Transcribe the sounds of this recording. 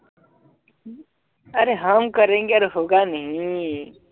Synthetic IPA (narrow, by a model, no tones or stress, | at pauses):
əɾeːɦəmkəɾẽːŋɡeəɾeɦoːɡaːnəɦĩ